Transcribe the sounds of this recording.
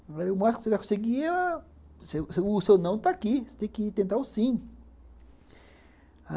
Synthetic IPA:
aɾemaskseɾakõseɡi | seseusewnɐ̃w̃t̪akise̥t̪ẽkit̪ẽnt̪ausĩŋ | a

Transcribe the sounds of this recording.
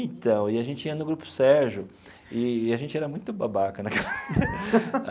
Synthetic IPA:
ẽt̪ɐ̃w̃ɪaʒẽnt͡ʃɪiɐnʊɡɾupʊ̥sɛɾʒʊ | ɪːaʒẽnt͡ʃɪɛɾɐmũj̃t̪ʊbabakɐnɐk

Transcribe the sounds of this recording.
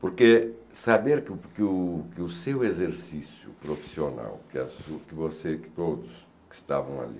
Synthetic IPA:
poɾke | sabeɾkkukɪusewezeɾsisjʊ̰pɾofi̥siona̰wkɪɐsukɪvosekt̪od̪ʊs | kɪ̥ʃt̪a̰vɐ̃w̃ɐ̰lḭ

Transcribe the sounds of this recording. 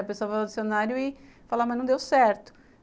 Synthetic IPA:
ɐpesoɐvaad͡ʒisionaɾjʊɪfalamɐznɐ̃w̃d̪ewsɛɾt̪ʊ̥

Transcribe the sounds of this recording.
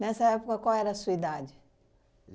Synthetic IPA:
nɛsɐɛpokɐkwawɛɾɐsuɐid̪ad͡ʒɪ

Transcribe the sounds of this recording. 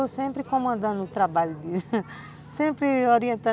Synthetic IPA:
owsẽmpɾɪkõmɐ̃nd̪ɐ̃nd̪ʊt̪ɾabaʎʊd̪ɪ | sẽmpɾɪoɾiẽnt̪ɐ̃

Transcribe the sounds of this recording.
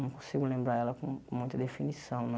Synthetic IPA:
ɐ̃w̃kõsiɡʊlẽmbɾaɾɛlɐkõkõmũj̃t̪ɐd̪efinisɐ̃w̃nɐ̃

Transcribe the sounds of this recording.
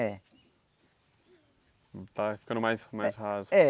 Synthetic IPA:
ɛ | t̪afi̥kɐ̃d̪ʊmajsmajzhazʊɛ

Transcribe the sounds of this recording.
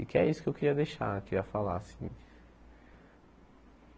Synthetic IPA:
ikɪɛ̰isʊ̥kewkeɾiɐd̪ejʃa̰keɾiɐfala̰sĩ

